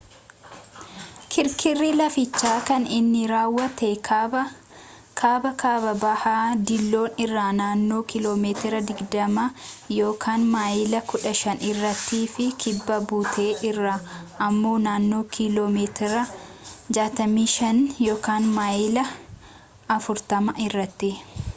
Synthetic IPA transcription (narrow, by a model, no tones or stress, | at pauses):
kʰɪɾkʰɪrːiːlɐfɪt͡ʃːaːkɐnɪnːɪɾaːwːɐt̪ekː | kʰaːbɐkaːbɐbɐhaːd̪ɪlːo̞ːnɪrːaːnaːnːo̞ːkɪlo̞ːmeːt̪ɪɾɐd̪ɪɡd̪ɐmɐjo̞ːkʰaːnmaːjɪlɐkʊᶑɐʃɐnɪrːɐt̪ːiːfɪkʰɪbːɐbuːt̪ʰeːʔɪrːaːʔɐmːo̞ːnaːnːo̞ːkʰɪlo̞ːmeːt̪ɪɾɐd͡ʒaːt̪ɐmiːʃɐnjo̞ːkaːnmaːjɪlɐ | ɐfʊɾt̪ɐmɐʔɪrːɐt̪ːɪ